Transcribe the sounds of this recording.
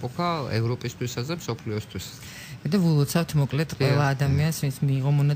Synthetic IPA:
pʼɔkʰaɛ̰vɾɔpʼist̪ʰwisazɛmsɔpʰliɔst̪ʰwis | d̪avulˠɔt̪sʰaft̪ʰmɔkʼlɛt̪ʰqʼwɛlˠaːd̪amiansvinsʰmiːʁɔmɔna

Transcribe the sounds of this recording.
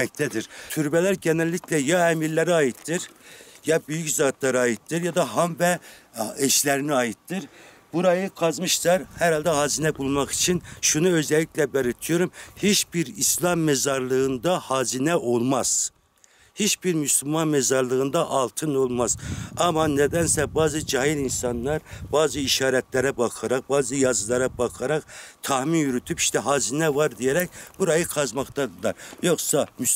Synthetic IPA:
ɛc̚t̪ʰæd̪iɾt̪ʰyɾbɛlæɾɟɛnælʲːiclɛjɑɛmiɾlːæɾɑːjit̪ːɯɾjɑbyjyczɑːt̪ʰlˠɑɾɯɑːjit̪ːɯɾjɑd̪ɑɦɑmvɛ | ɛʃlæɾiniɑjɯt̪ːɯɾ | b̥uɾɑjɯkʰɑzmɯʃt̪ˠɑɾhæɾhɑlˠd̪ɛhɑːzinɛbulˠmɑχi̥t͡ʃʰinʃunuøzɛlʲːicʲlɛbɛɾɯt̪ʰijoɾumhit͡ʃbiɾislˠɑmːɛzɑɾlˠɯɯnd̪ɑhɑːzinɛʔolˠmɑz̥ | het͡ʃbiɾmyslulmɑnmɛzɑɾlˠɯʁɯnd̪ɑʔɑlˠt̪ʰɯnolˠmɑzɑmɑnɛd̪ɛnsɛbɑːzɨd͡ʒɑɦilinsɑnːˠɑɾb̥ɑːzɯiʃɑːɾɛt̪læɾɛbɑqʰɑɾɑq̚bɑːzɯjɑzɯlˠɑɾɑbɑqʰɑɾɑqt̪ʰɑhminjyɾyt̪ʰypiʃt̪ɛɦɑːzinɛvɑɾd̪ijɛɾɛk̚ʲbuɾɑjɯqʰɑzmɑχt̪ɑd̪ɨlˠɑɾjoχsɑmy

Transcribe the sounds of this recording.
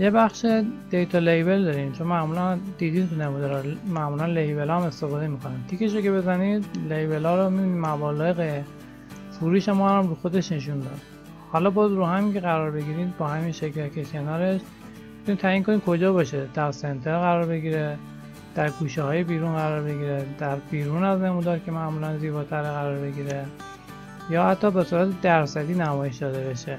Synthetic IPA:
jebæχʃed̪̥ejt̪ʰɒlejbe̞ld̪ɒːɾimt͡ʃʰonmæʔmuːlænd̪̥iːd̪iːnt̪ʰunemud̪eɾɒɾmæʔmuːlænlejbe̞lɒːme̞st̪e̞fɒːd̪e̞mikʰonant̪ʰikʲʰeʃ̬oce̞be̞zæniːd̪lejbelɒːɾomibinimæbɒːlːjeɣe | fuɾiːʃemɔɾæmɾuːxod̪e̞ʃne̞ʃ̬und̪ɒ̰ːd̪ | hɒlɒːbɒːzɾuːɦæmiŋcʰeɣæɾɒːɾbe̞ɡiːɾiːd̪̚bɒːhæminʃeklækʰekʲʰe̞nɒːɾe̞ʃ | mit̪ʰunit̪ʰæjiːŋkʰo̞nikʰo̞d͡ʒɒːbɒːʃed̪̥æɾse̞nt̪ʰeɾɣæɾɒːɾbe̞ɡiːɾe | d̪̥æɾɡuːʃehɒːje̞biːɾunɡæɾɒːɾbe̞ɡiːɾed̪̥æɾbiːɾuːnæzne̞mud̪ɒːɾcʰe̞mæʔmulænziːbɒːt̪ʰæɾeɣæɾɒːɾbe̞ɡiːɾe | jɒːhæt̪ʰːɒːbe̞suːɾæt̪ʰe̞d̪æɾsæd̪iːnæmɒːje̞ʃd̪ɒːd̪e̞be̞ʃe

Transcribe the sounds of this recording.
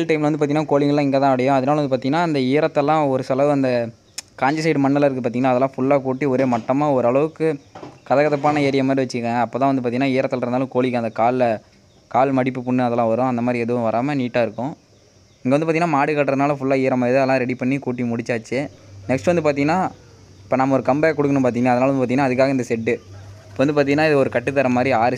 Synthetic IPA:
lʈɐɪmlɐnd̪ɯpaːɾt̪iŋːɐnːaːkoːlɪŋɡɐɭlːãːɪŋɡeːt̪ãːɐɽɐjʊ̃ɐðɐnaːlɐnd̪ɯp̬ːaːɾt̪iŋɡɐnaːɐnd̪ɐiːɾɐt̪ːɛlːãːɔɾɯsɐlɐʋɐnd̪ɐ | kaːɲd͡ʒɪs̬ɐɪɖmɐnːɐlɪɾɯk̬ːɯpaːɾt̪iŋɐnaːɐðɛlːãːfʊɭːaːkuːʈːiɔɾeːmɐʈːɐmaːɔɾɯɐɭɐʋɯkːɯkɐðɐkɐðɐp̬ːaːnɐeːɾɪjɐmaːd̪ɾiʋɐt͡ʃːɯɾkɐɐpːoːt̪ãːʋɐnd̪ɯpːaːt̪iŋːɐnaːɪːɾɐt̪ːɐlɾɯnd̪aːlɐ̃koːɭɪkːɯɐnd̪ɐkaːl | kaːlmɐɽɪpːɯpʊɳːɯɐðɛlːãːʋɐɾʊ̃ɐnd̪ɐmaːd̪ɾiɛðɯʋʊ̃ʋɐɾaːmɐniːʈːaːɪɾɯkːʊ̃ | ɪŋɡeɐnd̪ɯpːaɾt̪iŋːnːaːmaːɽɯkɐːʈːɾɐðnaːlɐ̃fʊlːaːɪːɾɐmaːɛðɯðlːãːɾɛɽipɐɳːikuːʈ̬ːimʊɽɪt͡ʃːaːt͡ʃːɯnɛksʈɯʋɐnd̪ɯpaːɾt̪̬iŋɐnːaːɪpːoːnaːmɐɔɾɯkɐmbɐjkɔɽɯkːɐɳɯ̃mpaːt̪̬iŋɡɐnːaːɐðɐnaːlɐnɯpːaːt̪iŋɐnːaːɐðɯkːaːɣɐɪnd̪ɐsɛɖːɯɪpːoːʋɐnd̪ɯpaːɾt̪iŋɡɐnːaːɪðɯɔɾɯkɐʈːɯt̪ːɐɾɐmaːd̪ɾiaːɾɯ

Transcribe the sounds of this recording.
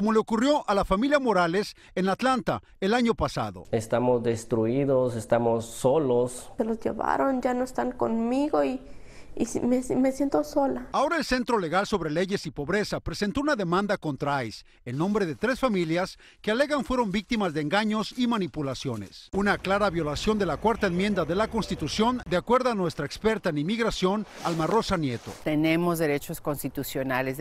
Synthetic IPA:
komo̞le̞okurjo̞ʔalafamiljamo̞ɾale̞s | enat̪lant̪a̰ | e̞laɲo̞pasa̰ðo̞̰est̪amozd̪est̪ɾuiðosest̪amosːolosselozʝḛβa̰ɾond͡ʒanoest̪aŋkonmiɣoi | imemesjent̪osolaao̞ɾae̞lse̞nt̪ɾo̞le̞ɣalso̞βɾe̞le̞ʝe̞sipo̞βɾe̞sapɾe̞se̞nt̪o̞unaðe̞mãnd̪ako̞nt̪ɾaajs | enːõ̞mbɾe̞ðe̞t̪ɾe̞sfamiljas | keale̞ɣaɱfweɾo̞mbik̚t̪imazðeːŋɡaɲo̞simanipulasjo̞ne̞̰sunaklaɾaβjo̞lasjo̞nd̪e̞lakwaɾt̪aenmjẽ̞nd̪aðe̞lako̞nst̪it̪usjo̞nd̪eakwe̞ɾðoanwe̞st̪ɾaekspe̞ɾt̪aenimiɣɾasjo̞nalmaro̞sanje̞t̪o̞̰t̪enemozðe̞ɾe̞t͡ʃoskonst̪it̪usjonalez

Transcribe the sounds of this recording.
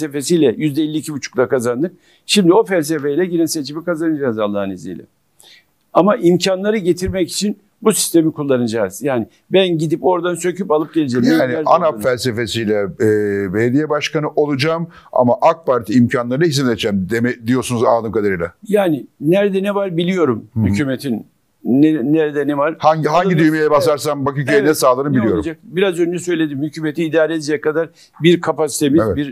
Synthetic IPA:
se̞fe̞sijlʲɛjyzd̪ɛelʲːiːcʰibut͡ʃʰu̥klˠakʰazand̪ɯk̚ | ʃimd̪io̞fælʲs̬e̞fejlʲɛɟinɛse̞t͡ʃʰimikazanɯd͡ʒaːzalˠːahnezḭjlʲɛ̰ | amaʔimcʰanlˠaɾɯɟet̪ʰiɾmɛci̥t͡ʃʰin | busi̥st̪ʰe̞mikʰulˠːanɯd͡ʒaːz̥jaːnɪ | bænɟid̪ipo̞ɾd̪ansøcypalˠɯp̚ɟe̞lʲed͡ʒemanianapfælʲse̞fe̞sijlʲɛːbejd̪ijɛbaʃkanɯʔo̞lˠud͡ʒaːm | a̰maʔak̚paɾt̪ʰiːmcʰanlˠaɾɯnaɦisimlʲet͡ʃʰɛmd̪emɛd̪ijo̞ɾsunuzaːd̪ɯmkad̪aɾɯjlʲa̰jaːnɪnæɾd̪ɛnɛvaɾbilʲijo̞ɾumhycʰʲyːmet̪ʰinː | ɛnɛɾɛd̪ɛnɛvaɾhaɲɟɦaɲɟid̪yjmejɛbasaɾsambakɯcʰyenɛsaːlˠɯɾɯmbilʲijo̞ɾud͡ʒakbiɾazønd͡ʒɛsø̞jlʲe̞d̪imhycʰyːmet̪ʰiːd̪aːlʲeijɛkʰad̪aɾ | biɾkʰapasi̥t̪ʰemiɛbiɾ

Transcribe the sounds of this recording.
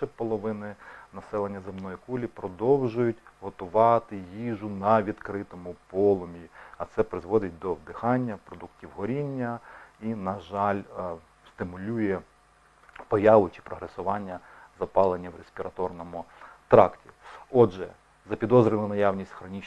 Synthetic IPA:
ɛpɔlˠɔʋɪnɪnɐsɛlˠenʲːɐzɪmnɔjikulʲipɾɔd̪ɔwʒʊjʊtʲɦɔt̪ʊʋɑt̪ɪjiʒʊnɐʋʲid̪kɾɪt̪ɔmʊpɔlˠɔmʲiɐt̪sɛpɾɪzʋɔd̪ɪt̚ʲd̪ɔwd̪ɪxɑnʲːɐpɾɔd̪uktʲiwɦɔɾʲinʲːɐinɐʒɑlʲ | st̪ɪmʊlʲujɛ | pɔjɑʋʊt͡ʃi̥pɾɔɦɾesʊʋɑnʲːɐ | zɐpɑlˠenʲːɐwɾesʲpʲiɾɐt̪ɔrnɔmʊt̪ɾɑktʲiɔʒɛ̰ | zɐpʲid̪ɔzɾʲɪlˠɐnɐjɑwnʲisʲtʲxɾɔnʲit͡ʃ

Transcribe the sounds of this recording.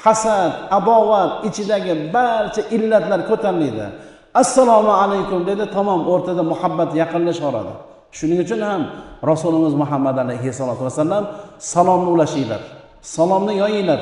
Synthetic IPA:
hasad̪abɒwat̪ɪt͡ʃʰɪd̪aɡʲɪbaɾt͡ʃʰaʔɪlːat̪laɾkʰɵt̪ʰaɾlɪjd̪ɪ̰ | asːalˠɒmʊalajkʲʊmd̪e̞d̪ɪt̪ʰamɒmoɾt̪ʰad̪amʊhabːat̪jɑqɨnlɪʃɒɾa̰d̪ɪ̰ | ʃʊnɪŋʊt͡ʃʰʊnhamɾasulɪmɪzmʊɦamːad̪alajɦɪsalˠɒt̪ʊwasalːamsalˠɒmnɪlaʃijla̰ɾ | salˠɒmnɪjɒjɪjlaɾ

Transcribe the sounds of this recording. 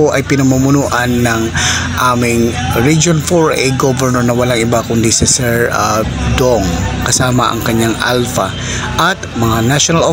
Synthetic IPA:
oʔɐjpɪnɐmʊmʊnuːʔɐnːɐŋ | ʔaːmɪŋ | ɹid͡ʒonfoɹʔɛ̰jɡobɛɹnɛɹnɐwɐlaŋʔɪbakʊnd̪isɪsɛɹa | d̪oŋkɐsaːma̰ʔɐ̰ŋkɐɲːaŋʔa̰lfa | ʔɐt̪mɐŋanaʃonɐlʔo

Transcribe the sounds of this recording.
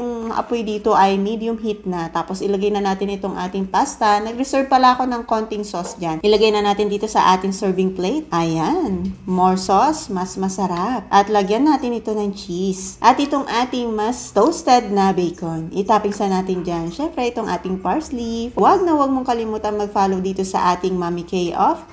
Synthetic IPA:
ʊŋʔɐ̰pojd̪iːt̪o̞ʔɐjmid̪jʊmhit̪̚nɐt̪aːpo̞sʔɪlɐɡajnɐnaːt̪ɪnɪt̪oŋʔaːt̪ɪŋpast̪ɐnɐɡɾɛsɛɹv̚pɐlɐʔɐko̞nɐŋko̞nt̪ɪŋso̞sd͡ʒanʔɪlɐɡajnɐnaːt̪ɪnd̪iːt̪o̞sɐʔaːt̪ɪŋsɛɹvɪŋplejt̪̚ʔɐjanmoɹsosmɐsmɐsɐɾap̚ʔɐt̪lɐɡjɐnːaːt̪ɪnɪt̪o̞nɐŋt͡ʃisʔɐt̪ʔɪt̪oŋʔaːt̪ɪŋmɐst̪owst̪ɛd̪̚nɐbɛjkonʔɪt̪aːpɪŋsɐnaːt̪ɪnd͡ʒanʃɛmpɾɛʔɪt̪oŋʔa̰ːt̪ɪŋpaɹslifwaɡ̚nɐwɐɡ̚moŋkɐlɪmuːt̪ɐnmɐɡ̚faːlowd̪iːt̪o̞sɐ̰ʔaːt̪ɪŋmaːmɪkejʔof

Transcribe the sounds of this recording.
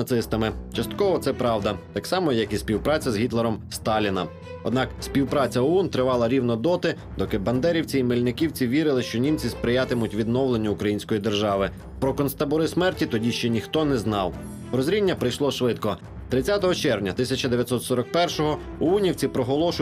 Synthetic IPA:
ɐt̪sɪst̪ɐmɪt͡ʃɐst̪kɔʋɔt̪sɛpɾɑwd̪ɐt̪ɑksɑmɔjɐkispʲiwpɾɑt͡sʲɐzɦʲit̪lˠɛɾɔmst̪ɑlʲinɐ | ɔ̰d̪nɑksʲpʲiwpɾɑt͡sʲɐɔɔnt̪ɾɪʋɑlˠɐɾʲiwnɔd̪ɔt̪ɪ | d̪ɔkɪbɐnd̪ɛɾʲiwt͡sʲiimɪlʲnɪkʲiwt͡sʲiʋʲiɾɪlˠɪʃt͡ʃɔnʲimt͡sʲispɾɪjat̪ɪmʊtʲʋʲid̪nɔwlˠenʲːɐʊkɾɐjinsʲkɔjid̪erʒɑʋɪ | pɾɔkɔnst̪ɐbɔɾɪsmɛrtʲit̪ɔdʲiʃt͡ʃɛnʲixt̪ɔnɛznɑw | ɾɔzɾʲinʲːɐpɾɪjʃlˠɔʃʋɪt̪kɔ | t̪ɾɪt͡sʲjat̪ɔɦɔt͡ʃɛɾnʲɐt̪ɪsʲɐt͡ʃɐd̪eʋʲjɐt̪sɔt̪sɔɾɐk̚pɛrʃɔɦɔ | ɔɔnʲiwt͡sʲipɾɔɦɔlˠɔʃʊ

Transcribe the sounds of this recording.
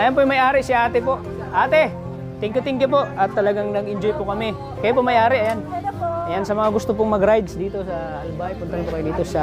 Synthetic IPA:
ʔɐjanpojŋmɐjʔaːɾɪʔsɪʔaːt̪ɛpo̞ʔ | ʔaːt̪ɛ | t̪ɪŋkʊt̪ɪŋk̬ɪp̬o̞ʔʔɐt̪ːɐlɐɡaŋnɐɡʔɪnd͡ʒojpʊkɐmɪ | kɐjap̬omɐjʔaːɾɪʔɐjanʔɐjansɐmɐŋaɡʊst̪op̬oŋmɐɡɾajd̪sd̪iːt̪o̞sɐ | ɐlʊbaːɐjpʊnt̪ɐɾɪŋpʊkajɪnd̪iːt̪osɐ

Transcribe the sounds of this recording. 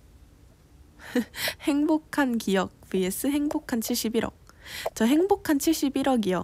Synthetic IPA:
he̞ŋbokʰankijʌk̚pies͈ɯɦe̞ŋbokʰant͡ɕʰiɭɕ͈ibiɾʌ̰k̚t͡ɕʌɦe̞ŋbokʰant͡ɕʰiɭɕ͈ibiɾʌɡijʌ

